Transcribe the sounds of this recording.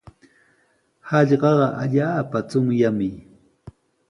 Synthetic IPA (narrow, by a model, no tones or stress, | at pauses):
hɑʎɢɑɢɑʔaʎaːpat͡sʊŋjamɪ